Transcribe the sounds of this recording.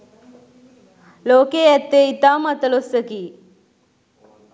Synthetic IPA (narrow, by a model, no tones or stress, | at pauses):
loːkeːɛt̪ːeit̪aːmɐt̪əlosəkiː